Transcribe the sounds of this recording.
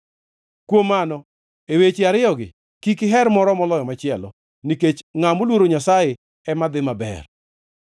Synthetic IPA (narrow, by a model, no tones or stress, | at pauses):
kwomanɔ | ewet͡ʃɪaɾɪjɔɡɪ̰ | kikɪɦɛɾmɔɾɔmɔlɔjɔmat͡ʃɪɛlɔ̰ | niket͡ʃŋamolwoɾoɲasaje | ɛmad̪ɪmabɛ̰r